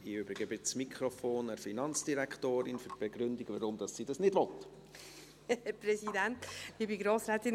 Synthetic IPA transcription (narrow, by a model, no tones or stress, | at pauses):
iøːbɾiɡ̥əbɪt͡smikʰɾofoːnɛɾfinɑnt͡sd̥iɾɛkχtoːɾɪnfyt̚b̥eɡ̥ɾʏndiɡvəɾʊmd̥ɑssiːdɑsnɪdvɔt | hɛpɾɛsidɛnt̪dibiɡɾoːsɾɛːt̪ɪn